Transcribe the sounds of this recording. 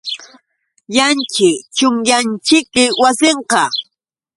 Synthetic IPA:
jant͡ʃɪt͡ʃʊŋjant͡ʃɪk̚mɪwasɪɴqɑ

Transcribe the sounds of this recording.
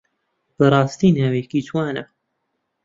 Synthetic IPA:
b̥əɾˤɑːst̪iːnaːwekit̪ʰwaːnɐ

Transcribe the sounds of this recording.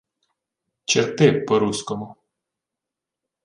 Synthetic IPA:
t͡ʃɪɾt̪ɪpːɔɾuskɔmʊ

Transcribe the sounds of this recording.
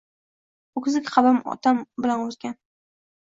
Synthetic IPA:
ʊkʰʲzɪkʲqʰɑbamɒ̰t̪ʰambɪlanozɡʲan

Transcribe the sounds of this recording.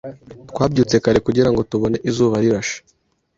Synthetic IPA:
tkwaːbɟuːt͡se̞kaɾe̞kuɟiɾaŋɡo̞tuβo̞neʔizuːβaɾiɾaʃḁ

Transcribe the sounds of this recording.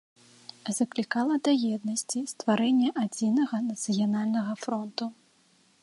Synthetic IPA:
zɐklʲikalˠɐd̪ɐjɛd̪̚nɐsʲt͡sʲist̪vaɾɛnʲːɛʔad͡zʲinɐɣɐnɐt̪sɨjanalʲnɐɣɐfɾɔnt̪u

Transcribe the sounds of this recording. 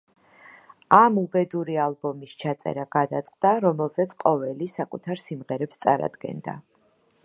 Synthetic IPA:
amubɛd̪uɾialˠbɔmist͡ʃʰat̪sʼɛ̰ɾaɡad̪at̪sʼqʼd̪̥aɾɔmɛlˠz̥ɛt̪sʰqʼɔvɛlisakʼut̪ʰaɾsimʁɛɾɛpst̪sʼa̰ɾa̰d̪ɡɛ̰nd̪a̰

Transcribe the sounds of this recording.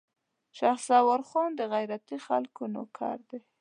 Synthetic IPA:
ʃɑxsɑwaɾxɑnd̪əɣajɾat̪ixalkuno̰kʰɑ̰ɾd̪e

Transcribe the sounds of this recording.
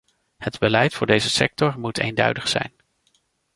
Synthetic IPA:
hədbəlɛjtfʊːɹdejzəsɛk̚tɔɹmutʰḛjndœ̰ɥdəχsɛ̰jn

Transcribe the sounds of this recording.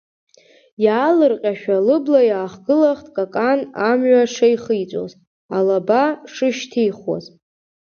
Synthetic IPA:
jaːlɨrqʲʼaʃᶣalɨblajaːχɡɨlaχtʼkʼakʼanamɥaʂajχɨjt͡sʷʼo̰z | alabaʂɨʃtʰijχo̰z

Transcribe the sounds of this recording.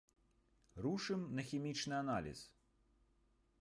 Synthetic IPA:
ruʂɨmnɐxʲimʲit͡ʂnɨanalʲḭs

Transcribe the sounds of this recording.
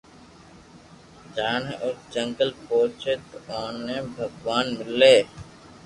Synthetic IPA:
d͡ʒaːnʔʊsd͡ʒəŋɡəlpoːt͡ʃet̪oːnːẽːbʱəɡʋaːnmɪleː

